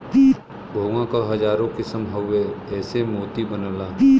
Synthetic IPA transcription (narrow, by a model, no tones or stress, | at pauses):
i | bʱɐʋãkaɦɐd͡ʒaːɾõkɪsəmɦoeɛːsemoːt̪ibənəlaːi